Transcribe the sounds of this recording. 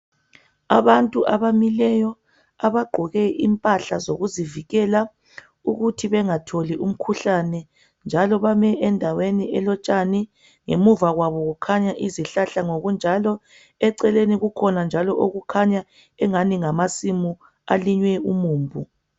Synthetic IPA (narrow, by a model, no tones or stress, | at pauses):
aβantʼuʔaβamilɛjɔ | aβaɡ͡ǃʱɔɣɛʔimpʼaɬazoɣuziviɣɛla | uɣutʰiβɛŋatʰoliʔum̩kʰuɬanɛ | nd͡ʒʱalɔβamɛɛndʱaweniɛlɔt͡ʃʼani | ŋḛmuvaɣwaβɔɣukʰaɲaʔiziɬaɬaŋoɣund͡ʒʱalɔ | ɛǀɛleniɣukʰɔnand͡ʒʱalɔʔoɣukʰaɲa | ɛŋaniŋamasimu | aliɲwɛumuːmbʱu